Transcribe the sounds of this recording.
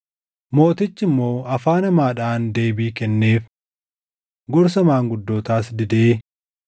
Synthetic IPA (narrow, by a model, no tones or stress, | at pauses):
mo̞ːt̪ɪt͡ʃːɪmːo̞ːɐfaːnɐmaːᶑaːnd̪e̞ːbiːkɛnːe̞ːf | ɡɔɾs̬ɐmaːŋɡʊd̪ːoːt̪aːsd̪ɪd̪eː